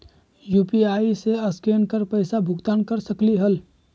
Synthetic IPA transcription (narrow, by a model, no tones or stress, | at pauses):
juːpiaːiseɐskeːnkəɾpəɪsabʱʊɡt̪aːnkəɾsəkliɦəl